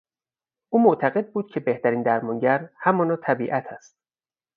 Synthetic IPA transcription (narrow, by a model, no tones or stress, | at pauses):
ʔuːmoʔt̪ʰæɣe̞d̪̚buːd̪̥̚cʰe̞be̞ht̪æɾiːnd̪æɾmɒːŋɟæɾhæmɒːnɒːt̪ʰæbiːʔæt̪ʰæst̪̚